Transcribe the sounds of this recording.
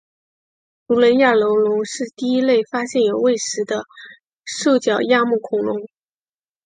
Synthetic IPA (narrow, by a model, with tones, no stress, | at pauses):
t̪u˧˥lə˧˥nja˥˩lo˧˥ʊlʊ˧˥ŋʂɻ̩˥˧t̪i˥˧i˥le˥˩ɪfa˥ɕjɛ˥˩njo˨˩ʊwe˥˩ɪʂɻ̩˧˥d̪ə˧ | ʂo˥˩ʊt͡ɕjɑ˨˩ʊja˥˧mu˥˩kʰʊ˧˥ŋlʊ˧˥ŋ